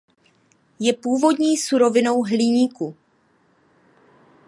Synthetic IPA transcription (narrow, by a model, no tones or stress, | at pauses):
jɛpuːvo̞dɲiːsuɾo̞vɪno̞wɦlɪɲiːku